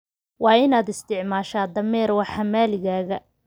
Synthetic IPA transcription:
wɑːɪnaːd̪ɪst̪ʰɪʕmaːʃaːd̪ɐmɛːrwɑħɑmaːlɪɣaːɣɐ

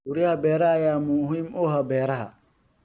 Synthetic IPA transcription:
ʊɾihɐbɛːɾɐːjaːmʊɦimɔːɦɐbɛːɾɐɦɐ̰

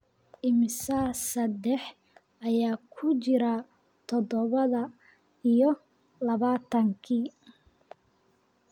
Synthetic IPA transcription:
ʔɪmɪsaːsɐd̪ɛħ | ʔɐjaːkʰʊt͡ʃɪɾa | t̪ʰɔd̪ɔβɐðɐ | ijɔ | lɐβaːt̪ʰɐŋkʰiː

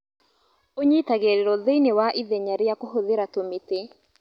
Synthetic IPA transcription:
oɲitaɣeɾeɾɔðeinewaʔiðɛɲaɾejakoɦoðeɾatomete

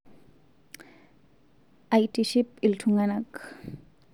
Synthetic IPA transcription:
ajʈiʃipilʈʰuŋɡanak

